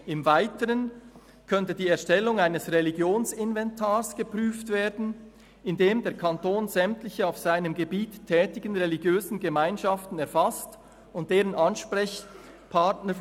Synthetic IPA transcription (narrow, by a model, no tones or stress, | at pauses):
ɪmvaɪtəʁən | kʰœntədiːɛɐʃtɛlʊŋaɪnəsʁeliɡjoːnsɪnvɛntʰaːʁsɡ̥əpʁyːftv̥eːdn̩ | ɪndeːmdeːɐkʰantoːnzɛmtlɪçəaʊfsaɪnəmɡəbiːtʰːɛːtɪɡ̥ən̩ʁeliɡjøːzn̩ɡəmaɪnʃaftn̩ɛɐfast | ʊnt̚d̥eːʁənʔɑnʃpʁɛç | pʰatnə